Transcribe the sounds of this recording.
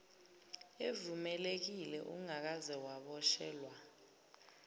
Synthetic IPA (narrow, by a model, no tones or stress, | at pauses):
evumɛlek̬ilɛ̰ʔuŋak̬azɛwaɓɔʃɛːlwa